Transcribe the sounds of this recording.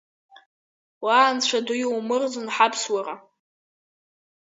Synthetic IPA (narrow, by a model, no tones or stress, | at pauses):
waːnt͡ɕʷʰadʊjowmɨrd͡zɨnħapʰswara